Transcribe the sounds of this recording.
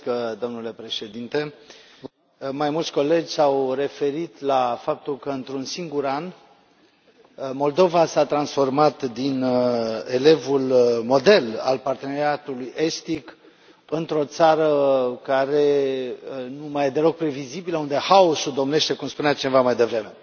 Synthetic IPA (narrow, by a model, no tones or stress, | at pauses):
d̪o̞mnule̞pɾe̞ʃe̞d̪int̪e̞ | majmult̪sʲko̞le̞d͡ʒʲsawre̞fe̞ɾit̪lafap̚t̪ulkəɨnt̪ɾunsiŋɡuɾan | mo̞ld̪o̞vasat̪ɾansfo̞rmat̪d̪ine̞le̞vulmo̞d̪e̞la̰lpart̪e̞neɾiat̪ulujʔe̞st̪ik | ɨnt̪ɾo̞t̪saɾəkaɾe̞ | numajed̪e̞lo̞ɡ̚pɾe̞vizibiləund̪e̞haosuld̪o̞mne̞ʃt̪e̞kumspuneat͡ʃinevamajd̪e̞vɾe̞me̞